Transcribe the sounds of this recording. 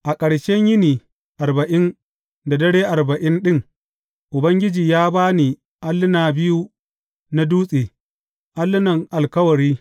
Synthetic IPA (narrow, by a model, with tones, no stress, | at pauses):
ʔa˨kʼɐ˨ɽʃɛ˦ɲjɪ˦niː˨ | ʔa˨rbɐ˨ʔɪ˦n | da˨dɐ˦ɽeː˦ʔa˨rbɐ˨ʔɪ˦nɗɪ˦ŋ | ʔʊ˨bɐ˦ŋɡʲɪ˦d͡ʒiː˨jaː˦baː˦ni˨ | ʔa˦lːɪ˦naː˨bɪ˦ju˦ | na˦duː˦sʼeː˨ | ʔa˦lːɪ˦nɐ˨ŋʔa˨lkɐ˦wɐ˨ɾiː˦